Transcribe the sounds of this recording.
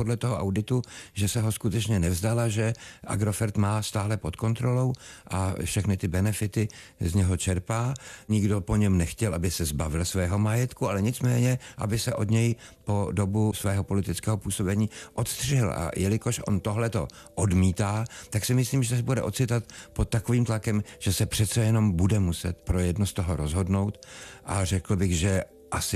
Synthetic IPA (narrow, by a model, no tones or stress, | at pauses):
podlɛt̪oɦoʔa̰wdɪt̪uʒɛsɛɦoskut̪ɛt͡ʃɲɛnɛvzd̪alaʒɛʔa̰ɡɾo̞fɛɾt̪maːst̪aːlɛpo̞t̪ko̞nt̪ɾo̞lo̞wʔafʃɛxnɪt̪ɪbɛnɛfɪt̪ɪ | zɲɛɦo̞t͡ʃɛɾpaːɲɪɡdopo̞ɲɛmnɛxcɛlʔabɪsɛzbavɪlsvɛːɦo̞majɛt̪kualɛɲɪt͡smɛːɲɛʔa̰bɪsɛʔo̞d̪ɲɛjpo̞do̞busvɛːɦo̞po̞lɪt̪ɪt͡skɛːɦopuːso̞bɛɲiːʔo̞t̪st̪r̥ɪɦɪla̰jʔɛlɪkoʃʔo̞̰nt̪o̞ɦlɛt̪o̞̰ | ʔodmiːt̪aːt̪aksɪmɪsliːmʒɛsbudɛ̰ʔo̞t̪t͡sɪt̪at̪pot̪̚tːako̞viːmt̪lakɛmʒ̥ɛsɛpr̥ɛt̪t͡sɛjɛno̞mbudɛmusɛ̰t̪pɾo̞jɛdnost̪oɦoɾo̞zɦo̞dno̞wt̪ʔarɛkl̩bɪɣʒɛ | ʔasɪ